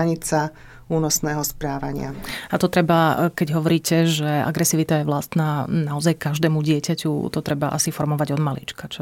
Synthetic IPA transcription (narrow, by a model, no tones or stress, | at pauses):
ɲit͡sa | uːnɔsnɛːɦɔspɾaːʋaɲɪa̰at̪ɔt̪ɾɛbakɛɟɦɔʋɔɾiːcɛʒɛa̰ɡɾɛsiːʋit̪ajɛʋlast̪naːnaɔzajkaʒd̪ɛːmuɟɪɛcacṵt̪ɔt̪ɾɛbaʔa̰sifɔɾmɔʋaɟɔd̪malḭt͡ʃkat͡ʃɔ